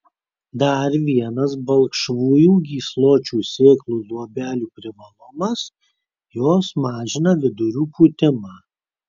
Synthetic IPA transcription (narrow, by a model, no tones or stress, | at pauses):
d̪ɐɾʋʲiɛnɐsbɐlˠkʃʋuːjuːɡʲiːslˠoːt͡ʃʲuːsʲɪklˠuːlˠuɔbʲæːlʲuːpʲɾʲɪʋɐlˠʊmɐs | joːsmɑːʒʲɪnɐʋʲɪd̪ʊɾʲuːpuːt̪ʲɪmɑː